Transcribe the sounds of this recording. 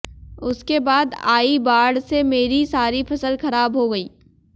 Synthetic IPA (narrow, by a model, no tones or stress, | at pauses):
ʊskebaːd̪aːibaːɽsemeːɾisaːɾifɐsəlxɐɾaːbɦoɡɐiː